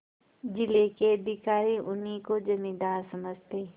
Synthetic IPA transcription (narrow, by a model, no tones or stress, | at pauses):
d͡ʒɪlekeɐd̪ʱɪkaːɾiʔʊnikod͡ʒɐmĩd̪aːɾsɐməd͡ʒt̪eː